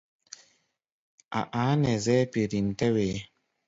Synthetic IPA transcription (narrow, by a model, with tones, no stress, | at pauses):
a̰˨ʔa˨˦nɛ˨zɛ˦pi˨ɾi˨n̩˨tɛ˦weː˨˦